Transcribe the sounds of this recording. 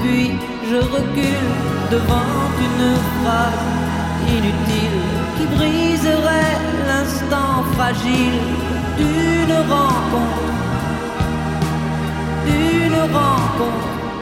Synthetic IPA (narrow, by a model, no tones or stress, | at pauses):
pɥi | ʒəʁəkʲyl | d̪əvɑ̃t̪ynfʁav | inyt̪il | kʲibʁizəʁɛ | lɛ̃st̪ɑ̃fχaʒil | d̪ynʁɑ̃kɔ̃t̪ | d̪ynʁɑ̃kɔ̃t̪χ